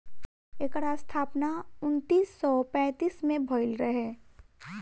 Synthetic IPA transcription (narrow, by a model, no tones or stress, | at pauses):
ekəɽast̪ʰaːpnaʊnt̪iːsːɔpɛ̃ːt̪iːsmẽbʱoɪlɾəɦeː